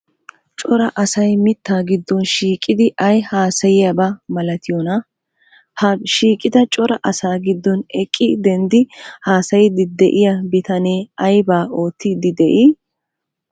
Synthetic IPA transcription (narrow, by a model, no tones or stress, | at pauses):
t͡ʃʼɔɾɐʔɐsɐjmɪt̪ːaːɡɪd̪ːɔnʃiːkʼːɪd̪ɪʔɐjhaːsɐjɪjɐbɐmɐlɐt̪ɪjɔnɐ | hɐʃiːkʼɪd̪ɐt͡ʃʼɔɾɐʔɐsaːɡɪd̪ːɔnɛkʼːɪd̪ɛnd̪ɪhaːsɐjd̪ɪd̪ɛʔɪjɐbɪt̪ɐneːɐjbaːʔo̞ːt̪ːid̪ɪd̪ɛʔi